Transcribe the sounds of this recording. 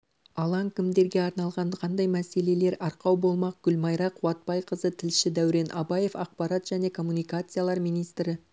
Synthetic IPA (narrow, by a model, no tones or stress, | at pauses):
ɑlˠɑŋkʲʰɪmd̪e̞ɾɡʲe̞ɑɾnɑlˠʁɑnqʰɑnd̪ɑjmæse̞le̞le̞ɾɑɾqɑwbo̞lˠmɑq̚ɡ̥ʲʏlmɑjɾɑqʰʊwɑt̪̚pɑjqʰəzət̪ʰɪlʃɪd̪æwɾe̞nʔɑbɑje̞fɑq̚pɑɾɑt̪ʒ̥æne̞kʰo̞mːunijkat̪sɨjalˠɑɾmijnijst̪ɾɪ